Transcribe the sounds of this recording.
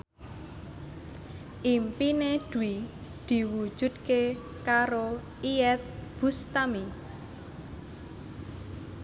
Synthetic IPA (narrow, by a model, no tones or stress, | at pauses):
ʔimpined̪̥ui | d̪̥i̤wu̥ʒ̥ṳd̪̚ke | kaɾo | iɛt̪̚b̥ust̪ami